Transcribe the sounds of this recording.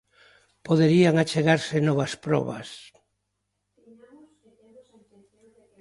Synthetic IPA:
poðeɾiaŋat͡ʃeɣaɾsenɔβaspɾɔ̰βa̰s

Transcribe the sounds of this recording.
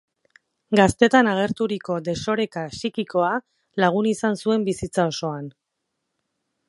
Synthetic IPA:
ɡast̪e̞t̪anaɣ̞e̞ɾt̪uɾiko̞d̪e̞so̞ɾe̞kasikiko̞a | laɣ̞unisansue̞mbisit͡sao̞so̞an

